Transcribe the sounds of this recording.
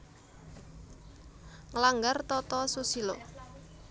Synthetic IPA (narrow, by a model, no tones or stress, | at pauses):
ŋəlaŋɡart̪ɔt̪ɔsusilo